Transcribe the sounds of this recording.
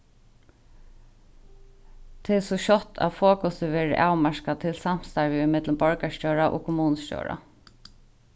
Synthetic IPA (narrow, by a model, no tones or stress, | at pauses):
t̪ʰɪːsɔʃɔt̪ʰa̰fɔːkɔsɪʋɛːɹɪʔaːwmaʃkat̪ʰɪlsam̥st̪aɹvɪɪmɪt̪ləmbɔɹkascɔːɹaʔɔ̰ːkʰʊmuːnəscɔ̰wɹa̰